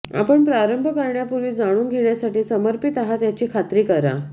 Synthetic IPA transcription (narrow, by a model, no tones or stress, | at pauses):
a̰pəɳpɾaɾəmbʱəkəɾɳjapuɾʋiːd͡zaɽ̃uːnɡʱeɳjasaʈiːsəməɾpit̪aɦat̪jat͡ɕiːkʰat̪ɾiːkəɾa̰